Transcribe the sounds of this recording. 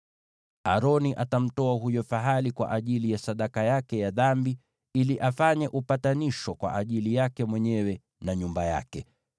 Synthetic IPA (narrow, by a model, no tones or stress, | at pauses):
aɾɔniʔatam̩tɔaɦujɔfaɦalikwa̰ʔaʄilijasaɗakajakɛjaðambi | iliʔafaɲɛʔupataniʃɔkwa̰ʔaʄilijakɛmwɛɲɛwɛ | naɲumbaja̰kɛ